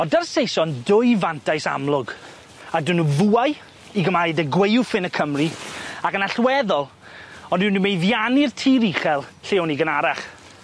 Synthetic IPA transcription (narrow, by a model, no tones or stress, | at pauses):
ɔndərsejsɔndʊɨvantʰajsa̰mlˠʊɡ | adɪnuvuaj | iɡəmaidəɡwejʊfɪnəkʰəmriakənaɬwɛðɔlˠ | ɔnðɪwnumejðjanirtʰiːɾiχɛlˠɬɪwniɡənaɾaχ